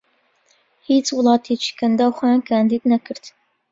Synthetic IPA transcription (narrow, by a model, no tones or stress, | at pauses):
it͡sʼwʊlɑːtʰiːt͡ʃʰɪ̥kʰɐndɐwχʷakʰaːndiːdnɐkʰɨrtʰ